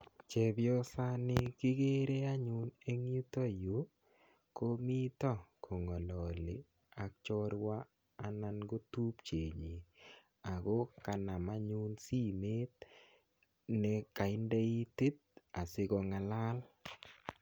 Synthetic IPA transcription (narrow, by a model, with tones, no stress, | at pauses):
t͡ʃe˨bjɔ˦sa˦nɪ˦ki˦ɡe˦ɾe˦a˦ɲʊ˦ne˦ŋju˦to˦jo˨˦ | ko˦mi˦tɔ˦kʰo˨ŋɔ˨lɔ˨lɪ˨ | a˨k̚t͡ʃɔ˦ɾwa˦ | a˨na˦nɡo˦tu˦pt͡ʃe˨ɲi˨ | a˨ɡo˦ka˨na˨ma˦ɲu˦nsi˦me˦t̪̚ | nɛ˦ka˨ɪ˦nda˦i˦ti˦t̪̚ | a˨sɪ˦ɡɔ˨ŋa˨la˦l